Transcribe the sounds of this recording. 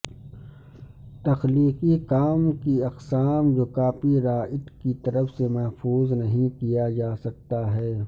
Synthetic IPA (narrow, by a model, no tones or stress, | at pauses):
t̪ɐxliːqikaːmkiɐqsaːmd͡ʒoːkaːpiɾaːʔɪʈ̪kit̪ɐɾəfsemɐɦfuːznɐɦĩkijad͡ʒaːsɐk̚t̪aɦɛː